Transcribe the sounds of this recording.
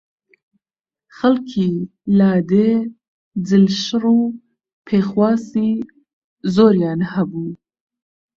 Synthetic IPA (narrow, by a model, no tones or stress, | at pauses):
xalkʰi | lɑːd̪eː | d͡zɨlʃɨruː | pʰeːxwɑːsiː | zoːɾjɑːnhɐbuː